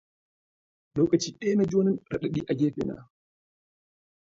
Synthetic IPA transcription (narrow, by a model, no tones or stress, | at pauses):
lɔːkʼat͡ʃiːɗɛːnad͡ʒoːnɛnɾaɗaɗiːʔaɡɛːfɛ̰na̰